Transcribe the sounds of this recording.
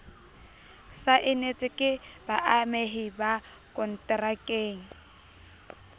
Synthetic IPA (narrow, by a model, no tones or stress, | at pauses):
saʔɪnet͡sʼɪkʼɪbaʔameɦɪba | kʼɔn̩tʼrakʼeːŋ̩